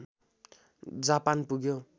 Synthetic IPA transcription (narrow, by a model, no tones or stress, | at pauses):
d͡zapanpuɡjo